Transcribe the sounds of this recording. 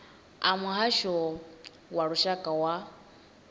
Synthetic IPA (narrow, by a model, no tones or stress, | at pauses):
amuɦaʃɔ | waɺuʃakʼawa